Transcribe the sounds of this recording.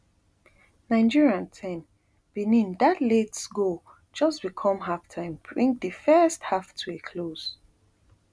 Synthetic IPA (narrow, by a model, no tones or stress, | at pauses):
nãɪ̃nd͡ʒiɹiãntʰɛ̃n | b̥inĩndatletsɡo | d͡ʒʌsb̥ikʰɔ̃mɦaftʰãɪ̃mbɹĩŋ̚dəfɜsthaftʰuekʰloz̥